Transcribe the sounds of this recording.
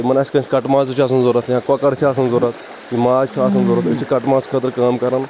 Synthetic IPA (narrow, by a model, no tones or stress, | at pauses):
mɐnɐsʲkɐ̃sʲkɐʈmaːt͡st͡ʃʰaːs̬ɐnzoɾat̪jãkakɐɽt͡ʃʰaːs̬ɐnzoɾɐt̪ | kimaːt͡ʃʰaːs̬ɐnzoːɾat̪ɐt͡ʃʰikɐʈmaːt͡skʰaːt̪əɾkaːmkɐɾan